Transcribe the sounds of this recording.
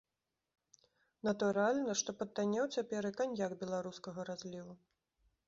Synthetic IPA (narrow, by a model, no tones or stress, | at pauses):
nɐt̪uɾalʲnɐʂt̪ɔpɐt̪ːanʲɛwt͡sʲapʲɛɾɨkanʲjaɡbʲɛlˠaɾuskɐɣɐɾazʲlʲivu